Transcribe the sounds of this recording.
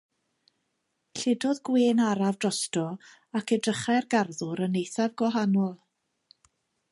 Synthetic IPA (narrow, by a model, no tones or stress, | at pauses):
ɬɪdɔðɡweːnaɾavdrɔstɔ | akʰɛdrəχarɡarðʊɾənːejθavɡwɔɦanɔlˠ